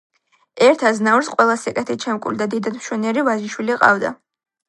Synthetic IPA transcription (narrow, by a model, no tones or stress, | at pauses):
ɛɾt̪ʰaznavɾsqʼwɛlˠasɛkʼɛt̪ʰit͡ʃʰɛmkʼuld̪ad̪id̪ad̪mʃwɛniɛɾivaʒiʃwiliqʼa̰vd̪a̰